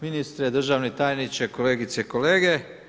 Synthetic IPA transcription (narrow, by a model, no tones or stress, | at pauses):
minist̪ɾed̪r̩ʒaʋnit̪ajnit͡ʃekoleːɡit̪seko̞leːɡe